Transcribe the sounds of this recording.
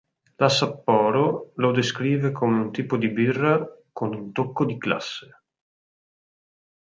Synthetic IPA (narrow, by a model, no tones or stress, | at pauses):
lasapːɔːɾolod̪eskɾiːvekʰoːmeunt̪iːpod̪ibirːakonunt̪okːod̪ikla̰sːe